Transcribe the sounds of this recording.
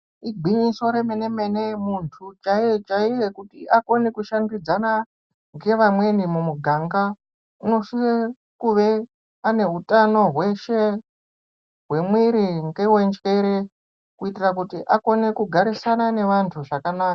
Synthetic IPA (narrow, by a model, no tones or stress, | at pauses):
iɡ͡bʱiɲiso̞ɾemene̞mene̞muntʰut͡ʃaijet͡ʃaije̞kutiʔako̞ne̞kuʃandid͡zana | ŋɡe̞ʋamwe̞nimumuɡʱaŋɡa | uno̞ʃie | kuʋe̞ | ane̞utano̞ɦwe̞ʃe̞ | ɦwe̞mwiɾiŋɡewe̞nd͡ʒeɾe | kuitirak̬utiʔako̞ne̞kuɡʱaɾisanane̞ʋantʰuʐakanaːka